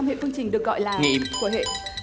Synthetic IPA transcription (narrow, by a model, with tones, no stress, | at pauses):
mhḛ˧˨fɨ˧əŋt͡ɕï˨˩ŋ̟ɗɨ˨˩ək̚ɣɔ̰˧˨jlaː˨˩ŋḭ˧˨ku˧˦hḛ˧˨